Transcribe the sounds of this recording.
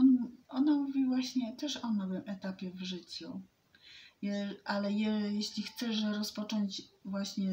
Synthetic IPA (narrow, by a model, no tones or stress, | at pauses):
ɔnʔɔnamuvʲivwaɕɲɛt̪ɛʂɔnɔvɘmʔɛt̪apʲjɛvʐɘt͡ɕu | jɛʔalɛjɛjɛɕlʲixt̪sɛʂɾɔspɔt͡ʂɔɲt͡ɕvwaɕɲɛ